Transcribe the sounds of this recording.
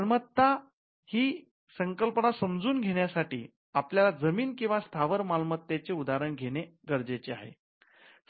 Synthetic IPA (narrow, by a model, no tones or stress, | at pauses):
lmət̪ːa | hiː | səŋkəlpəɳasəmd͡zuːnɡʱeɽjasaʈḭː | apljalad͡zəmiːnkĩw̃ʋast̪ʰaʋəɾmalmət̪ːjet͡seud̪aɾəɳɡʱeɽ̃eɡəɾd͡zet͡ɕea̰ɦḛ